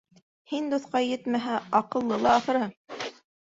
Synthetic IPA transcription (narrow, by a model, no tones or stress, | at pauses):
hind̪uθqɑjɘt̪mæɦæɑqɤ̆lˠːɤlˠɑːθɤ̆ɾhɤɴ